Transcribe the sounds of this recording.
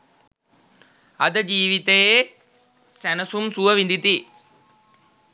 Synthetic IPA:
ɐd̪ɐd͡ʒiːʋit̪ejeː | sɐnɐsumsuʋɐʋind̪it̪i

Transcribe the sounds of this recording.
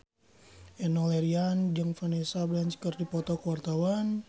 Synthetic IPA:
ʔɛnɔlɛɾiand͡ʒəŋfanesablant͡ʃkərdipɔt̪ɔkəwart̪awan

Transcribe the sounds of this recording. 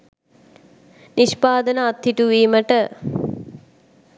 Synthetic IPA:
niʃpaːd̪ənəat̪ːiʈuʋiːməʈə

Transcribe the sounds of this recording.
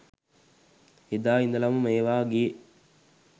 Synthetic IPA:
id̪aːind̪əlɐmumeːʋaːɡie

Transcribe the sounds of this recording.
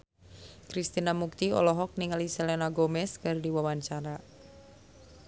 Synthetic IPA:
kɾist̪inamuk̚t̪iɔ̰lɔɦɔk̚niŋalisɛlɛnaɡɔmɛskɨrdiwawaɲt͡ʃaɾa

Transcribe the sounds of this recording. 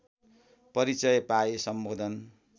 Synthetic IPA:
pʌɾit͡sʌjpaesʌmbod̪ʱʌn

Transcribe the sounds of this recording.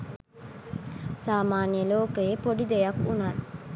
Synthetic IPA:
saːmaːnijəloːkəjepoɖid̪ejɐkunaɾ

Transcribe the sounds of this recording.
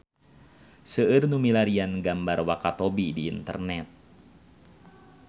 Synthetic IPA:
səɨrnumilaɾianɡambarwakat̪obidiːnt̪ə̰rnɛt̪̚

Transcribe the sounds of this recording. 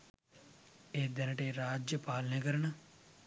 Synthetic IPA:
eːd̪ənəʈeːɾaːd͡ʒjəpaːlneːkəɾna

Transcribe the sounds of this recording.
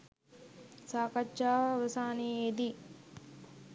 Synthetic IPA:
saːkat͡ʃːaːʋəsaːnied̪i

